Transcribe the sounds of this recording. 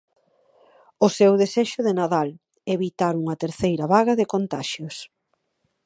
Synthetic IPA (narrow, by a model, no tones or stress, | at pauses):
ʊsewðeseʃʊðenaðal | eβit̪aɾuŋɐt̪eɾθejɾɐβaɣɐðɪkont̪aʃjʊs